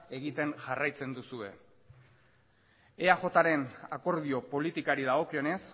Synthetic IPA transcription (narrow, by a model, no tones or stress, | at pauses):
e̞ɣit̪e̞ŋʝarajt͡se̞nd̪usue̞̰ | eaʝo̞t̪aɾe̞nako̞ɾðio̞po̞lit̪ikaɾiðaɣo̞kio̞ne̞s